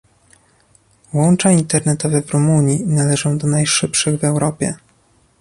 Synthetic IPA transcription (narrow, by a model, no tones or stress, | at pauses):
wɔnt͡ʂaint̪ɛɾnɛt̪ɔvɛvɾumuɲjinalɛʐɔ̃w̃d̪ɔnajʂɘpʂɘɣvɛwɾɔpʲjɛ̰